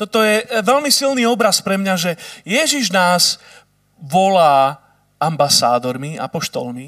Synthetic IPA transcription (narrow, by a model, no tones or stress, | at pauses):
t̪ɔt̪ɔjɛʋɛʎmisilniːɔbɾaspɾɛmɲaʒɛjɛʒiʒnaːz | ʋɔlaː | ambasaːd̪ɔɾmia̰pɔʃt̪ɔ̰lmi